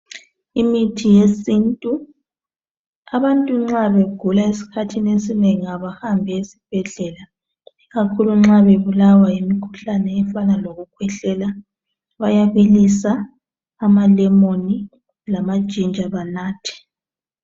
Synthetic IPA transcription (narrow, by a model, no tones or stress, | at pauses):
imitʰijesintʼu | aβantʼuŋ͡ǁaβeɡ̥ʱulaesi̥kʰatʰinesineŋaβahambʱɛesi̥b̥ʱɛɮɛla | iɣakʰuluŋ͡ǁaβeβulawajimikʰu̥ɬanɛːfanaloɣukʰwɛɬɛla | βajaβelisaː | malɛmoni | lamad̥ʒ̥ʱind͡ʒʱaβanaːtʰi̥